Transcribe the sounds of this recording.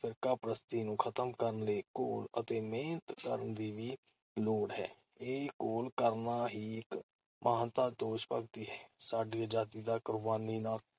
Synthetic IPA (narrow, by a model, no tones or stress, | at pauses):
pʰɪɾkaːpɾəst̪iːnũːkʰət̪əmkəɾənleːkoːlə̰t̪eːmeːnt̪kəɾəɳd̪iːʋiː | loːɽɦɛ̰ː | eːkoːlkəɾnaːɦiːɪk | mʔaːnt̪aːd̪oːʃpək̚t̪iːɦɛːsaːɖiːd͡ʒaːt̪iːd̪aːkʊɾʋaːniːnaːl